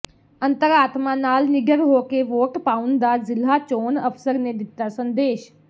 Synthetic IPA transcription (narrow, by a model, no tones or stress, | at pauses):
ə̃nt̪əɾaːt̪mãnaːlnɪɡəɾɦoːkeʋoːʈpaːʊnd̪aːzɪlːaːt͡ʃoːnəfsəɾned̪ɪt̪ːaːsə̃nd̪eːʃ